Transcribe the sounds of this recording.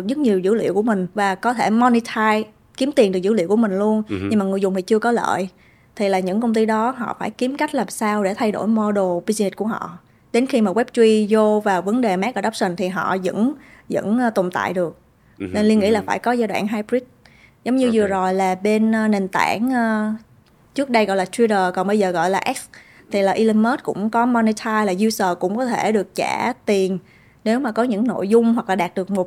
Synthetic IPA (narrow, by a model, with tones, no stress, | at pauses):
ɗɨ˨˩k̚zɨ˦˥t̚ɲi˨˩əwzɨ̰˧˥lḭ˧˨əwku˧˩əmï˨˩ŋ̟vaː˨˩kɔ˨˦t̪ʰe˧˩mɔ˧ni˧t̪ʰaː˧j | ki˨˦mt̪i˨˩nɗɨ˨˩k̚zɨ̰˧˥lḭ˧˨wku˧˩əmï˨˩ŋ̟lu˧ənɲɨ˧ŋmaː˨˩ŋɨ˨˩əzʊ˨˩ŋ͡mt̪i˨˩t͡ɕɨ˧əkɔ˨˦lə̰ː˧˨j | t̪ʰi˨˩laː˨˩ɲɨ̰˧˥ŋkə˧wŋ͡mt̪i˧ɗɔ˨˦ɦɔ̰˧˨faː˧˩jki˨˦mka˦˥jk̟̚laː˨˩msaː˧wɗe˧˩t̪ʰa˧jɗo̰˧˩jmɔ˧ɗo˨˩vi˧zi˧ni˨˥t̚ku˧˩əɦɔ̰˧˨ | ɗe˨˦nxi˧maː˨˩ɣwɛ˦˥p̚t͡ɕwi˧zo˧vaː˨˩və˨˦nɗe˨˩maː˦˥k̚ʔəː˧˩ɗa˦˥p̚sï˨˩ŋ̟t̪ʰi˨˩ɦɔ̰˧˨zə̰˧˥n | zə̰˧˥nː˧t̪o˨˩mt̪a̰ː˧˨jɗɨ˨˩ək̚ | ne˧nli˧ənŋḭ˧˥˨laː˨˩faː˧˩jkɔ˨˦zaː˧jɗwa̰ː˧˨˩nɦaː˧jpɾi˦˥t̚ | zə˨˦wŋ͡mɲɨ˧zɨ˨˩əzo˨˩jlaː˨˩ɓe˧nː˧ne˨˩nt̪aː˧˩ŋː˧ | t͡ɕɨ˦˥k̚ɗə˧jɣɔ̰˧˨laː˨˩t̪ʰwi˧zəː˨˩kɔ˨˩nɓə˧jzəː˨˩ɣɔ̰˧˨jlaː˨˩ʔɛ˦˥k̚s | t̪ʰi˨˩laː˨˩ʔi˧li˧nməː˦˥t̚kʊ̰˧˥ŋ͡mkɔ˨˦mɔ˧ni˧t̪ʰaː˧jlaː˨˩zu˧səː˨˩kʊ̰˧˥ŋ͡mkɔ˨˦t̪ʰe˧˩ɗɨ˨˩ək̚t͡ɕa˧˩t̪i˨˩ən | ne˨˦wmaː˨˩kɔ˨˦ɲɨ̰˧˥ŋno̰˧˨jzʊ˧ŋ͡mɦwa˨˩k̚laː˨˩ɗaː˨˩t̚ɗɨ˨˩ək̚mo˨˩t̚